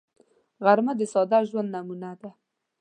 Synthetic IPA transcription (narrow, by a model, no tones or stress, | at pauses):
ɣaɾmad̪əsɑd̪aʒwand̪namunad̪a